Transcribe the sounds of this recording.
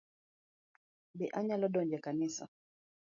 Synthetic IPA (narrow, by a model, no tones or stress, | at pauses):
bɛʔaɲalɔdɔɲd͡ʒɛkanisa̰